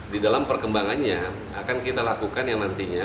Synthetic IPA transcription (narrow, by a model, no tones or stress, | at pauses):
didalampərkəmbaŋanɲa | a̰kankit̪alakukanjaŋnant̪iɲa